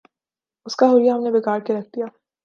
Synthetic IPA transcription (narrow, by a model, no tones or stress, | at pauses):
ʊskaɦoːlijaɦɐmnebɪkaːɾkeɾɐk̚ʰd̪ijaː